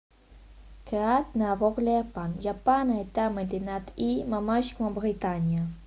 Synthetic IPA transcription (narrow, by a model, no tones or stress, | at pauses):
keat̪neavɔʁleapanjapanaet̪aməd̪enat̪imamaʃkmabʁit̪anja